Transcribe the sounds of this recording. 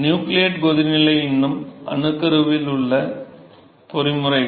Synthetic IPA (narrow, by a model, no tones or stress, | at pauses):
njuːklijɐʈɡoðinilɐjinːumɐ̰ɳukːɐɾuʋiluɭːɐ | porimːurɐj